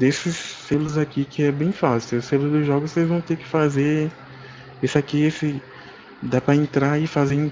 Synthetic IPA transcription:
d̪esɪsːelʊzakikɪɛbẽj̃fasɪʊselʊzd̪ʊʒɔɡʊssejzvɐ̃w̃t̪ekɪ̥faze | esɪakiesɪ | d̪apɾɐẽnt̪ɾaɪfazẽ

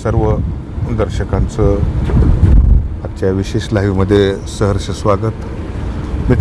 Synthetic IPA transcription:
səɾʋə | und̪əɾɕəkãnt͡sə | at̚t͡ɕjaʋiɕeɕlaɦiːməd̪ʱːjesəɦəɾɕəsʋaɡət̪ | mit̪

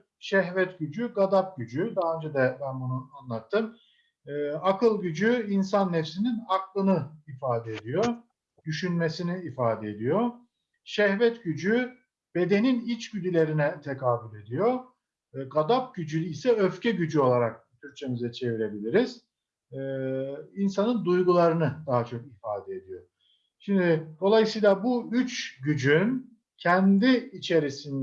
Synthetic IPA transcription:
ʃɛɦvɛt̪ɟyd͡ʒyɡad̪ap̚ɟyd͡ʒyd̪aɦaønd͡ʒɛd̪ɛbænbunuanlˠat̪ʰːɯmː | akʰɯlˠɟyd͡ʒyinsanːefsininaklˠɯnɯifaːd̪ɛed̪ijo | d̪̥yʃynme̞siniːfaːd̪eed̪ijo | ʃɛhvɛt̪ɟyd͡ʒy | b̥e̞d̪e̞ninit͡ʃɟyd̪ylʲe̞ɾinɛt̪ʰekʰaːbylʲe̞d̪ijo̞ | ɡad̪ap̚ɟyd͡ʒylʲisɛøfcɛɟyd͡ʒyo̞lˠaɾak̚t̪ʰyɾ̚t͡ʃʰe̞mizɛt͡ʃʰe̞viɾe̞bilʲiɾiz̥ | insanɯnd̪ujɡulˠaɾɯnɯd̪aɦat͡ʃʰo̞kifaːd̪ɛed̪ijo | ʃimd̪id̪̥o̞lˠajɯsɯjlˠabuyt͡ʃɟyd͡ʒyn | cʰɛnd̪iːt͡ʃʰe̞ɾisin

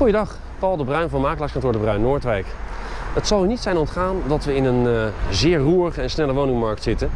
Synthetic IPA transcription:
χujədɑχ | pɑlˠdəbrœɥnvɔnəmaːkəlɑkskɑntʊːɹdəbrœɥnːʊːɹtʋɛjkɦətsɑlˠynitsɛjnɔntχaːndɑtʋəɪnənzɪːɹruːɹəχəɛnsnɛləʋownɪŋmɑɹk̚tsɪtə

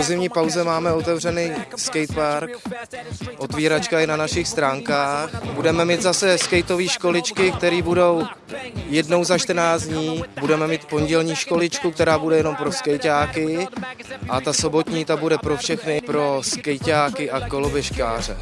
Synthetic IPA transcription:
ozɪmɲiːpawzɛmaːmɛot̪ɛvrɛnijskɛjt̪̚paɾk | ʔo̞t̪viːɾat͡ʃkajɛnanaʃɪxst̪ɾaːŋkaːxbudɛmɛmiːt̪zasɛskɛjt̪o̞viːʃko̞lɪt͡ʃkɪk̚t̪ɛɾiːbudo̞w | jɛdno̞wzaʃt̪rnaːt͡sd̪ɲiːbudɛmɛmiːt̪po̞nɟɛlɲiːʃko̞lɪt͡ʃkuk̚t̪ɛɾaːbudɛjɛno̞mpɾo̞skɛjcaːkɪ | ʔat̪aso̞bo̞t̪ɲiːt̪abudɛpɾo̞fʃɛxnɪpɾo̞skɛjcaːkɪʔako̞lobɛʃkaːr̝ɛ̰

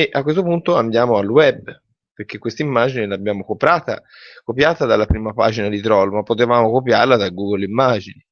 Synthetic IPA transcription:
eʔakwes̬t̪opunt̪oand̪jaːmoalːwɛbː | perkekːwest̪aimːaːd͡ʒinilabjaːmokopɾaːt̪a̰ | kopjaːt̪ad̪alːapɾiːmapa̰ːd͡ʒinad̪it̪ɾɔlmapːot̪evaːmokopjarlad̪aɡuɡolimːaːd͡ʒini

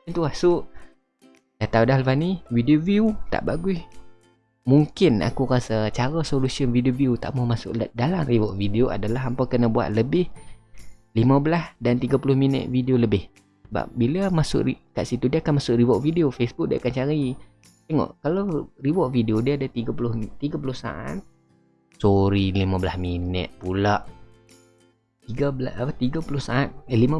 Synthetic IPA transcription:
ənt̪uasʊʔ | dat̪audaɦlfaniwidioviut̪a̰ʔbaɡuis | muŋkɪna̰kuɾasət͡ʃaɾəsolusiənvidioviut̪a̰ʔmɔmasʊ̰ʔldalamriwɔʔ̚videoʔa̰dalaɦampakənabua̰ʔ̪̚ləbɪh | liməbəlasdant̪iɡapulʊhminə̰ʔ̪̚videoləbɪh | səba̰p̚bilamasʊ̰ʔrikaʔsit̪udiakanmasʊkɾiwɔʔfideofesbʊk̚diaakant͡ʃaɾi | t̪eŋɔ̰ʔkaloriwɔʔ̚videodiaadat̪iɡapulʊht̪iɡapulʊhsa̰ʔa̰t̪̚ | soɾilimabəlasminɛ̰t̪̚pulaʔ | t̪iɡablaaat̪iɡapulʊhsaat̪̚lima

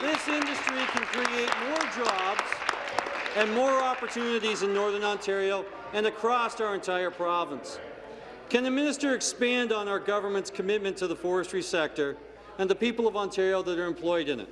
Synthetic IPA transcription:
ðɪsɪ̃ndɨstɹ̥ikʰɨ̃nkʰɹ̥ieɪt̚mɔɹd͡ʒɑbz̥ | ɨ̃nmɔɹɑpə˞tʰʉnɨɾizɨ̃nːɔɹðə̃˞nɑ̃ntʰɛɹioʊ | ɨ̃nɨkʰɹ̥ɔsaʊə˞ɨ̃ntʰaɪə˞pʰɹ̥ɑvə̃ns | kʰɨ̃nðɨmɪ̃nɨstə˞ɨkspæ̃ndn̩aʊə˞ɡʌvə˞mɨ̃ntskʰɨmɪt̚mɨ̃ntʰɨðəfɔɹɨstɹ̥isɛk̚tə˞ | ɨ̃nðəpipl̩ˠʌvɑ̃ntʰɛɹioʊðəɾə˞ɨ̃mpʰl̥ɔɪɾɨ̃nɨ̰t̚

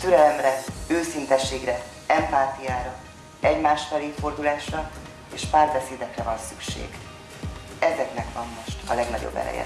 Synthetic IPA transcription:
t̪øɾɛlɛmrɛøːsint̪ɛʃːeːɡrɛ | ɛmpaːt̪ijaːɾɒ | ɛɟmaːʃfɛliːfo̞rd̪ulaːʃrɒ | eːʃpaːrbɛseːd̪ɛkrɛvɒnsykʃḛːɡ | ɛzɛknɛkvɒmːo̞ʃt̪ɒlɛɡnɒ̰ɟo̰bːɛ̰ɾɛ̰jɛ̰

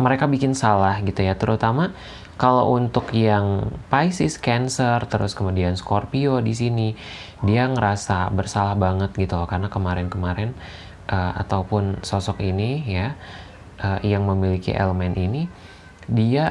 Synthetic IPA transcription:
məɾekabikɪnsalahɡit̪ujat̪əɾʔut̪ama | kalo̰wʔunt̪ʊkjaŋpaisɪskɛnsərt̪əɾʊ̰skəmudianskɔrpiodis̬ini | diaŋəɾasabərsalahbaŋət̪̚ɡit̪ukarnakəmaɾɛnkəmaɾɛn | ʔəa̰t̪awpʊnsosɔkinija | ʔəjaŋməmilikḭʔḛləmɛnini | dia

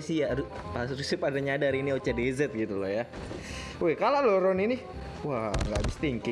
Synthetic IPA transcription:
sijaɾu | pas̬ɾusipadaɲadaɾiniaut͡ʃadezət̪̚ɡit̪ulɔja | wɛkalaloɾɔnini | wahŋɡaʔbist̪iŋki

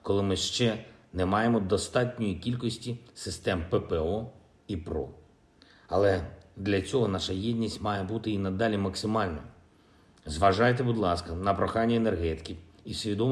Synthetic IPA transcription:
kɔlˠɪmɪʃt͡ʃɛnɛmɑjemɔd̪ɔst̪ɑtʲnʲɔjikʲilʲkɔsʲtʲisɪst̪ɛmpepɛɔ | ipɾɔ̰ | ɐlˠɛd̪lʲɐt͡sʲɔɦɔnɑʃɐjɛdʲnʲisʲtʲmɑjebut̪ɪinɐd̪ɑlʲimɐksɪmɑlʲnɔ | zʋɐʒɑjt̪ebud̪lˠɑskɐnɐpɾɔxɑnʲːienerɦɛt̪ɪ̥kʲiisʲʋʲid̪ɔ

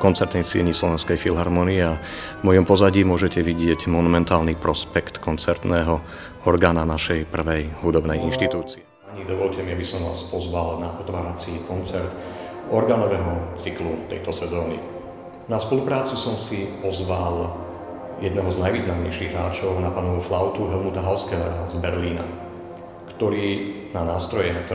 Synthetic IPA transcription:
kɔnt͡sɛɾt̪nɛjsiɛɲislɔʋɛnskɛjfilɦaɾmɔniɛa | mɔjɔmpɔzaɟiːmʊɔʒɛcɛʋiɟɪɛɟmɔnumɛnt̪aːlnipɾɔspɛkt̪kɔnt͡sɛɾt̪nɛːɦɔ | ɔɾɡaːnanaʃɛjpr̩ʋɛjɦud̪ɔbnɛjinʃt̪it̪uːt͡siɛ | aɲid̪ɔʋɔlcɛmiabisɔmʋa̰ːspɔzʋalnaʔɔt̪ʋaːɾat͡sikɔnt͡sɛɾt̪ | ɔɾɡaːnɔʋɛɦɔt͡siklut̪ɛ̰jt̪ɔsɛzɔːnḭ | naspɔlupɾaːt͡susɔmsipɔzʋal | jɛd̪nɛɦɔznajʋiːznamɲɛ̰jʃiɣɦɾaːt͡ʃɔʊnapanɔʋuflaʊt̪uɦɛlmut̪aɦaʊskɛːɦɔazbɛɾliːna̰ | kt̪ɔɾiː | nanaːst̪ɾɔjɛnak̚t̪ɔ

